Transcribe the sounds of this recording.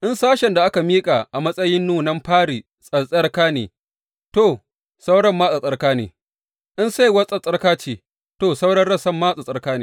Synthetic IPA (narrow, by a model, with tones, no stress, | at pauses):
ʔɪ˦nsaː˦ʃɛ˨nda˨ʔa˦ka˨miː˦kʼa˨ʔa˨mɐ˦sʼɐ˦jɪ˦nːuː˦nɐ˦mɸaː˦ɽi˨ | sʼɐ˨sʼɐ˦rkaː˦nḛː˨ | toː˦˨ | sa˦wɽɐ˦mːaː˦sʼa˨sʼɐ˦rkaː˦nḛː˨ | ʔɪ˦nsa˦jwɐ˦sʼɐ˦sʼɐ˦rkaː˦t͡ʃeː˨ | toː˦˨sa˦wɽɐ˦nɽɐ˦sɐ˦mːaː˦sʼa˨sʼɐ˦rkaː˦nḛː˨